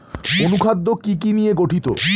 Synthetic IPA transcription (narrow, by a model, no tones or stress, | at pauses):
onukʰad̪ːokikinijeɡoʈʰit̪o̰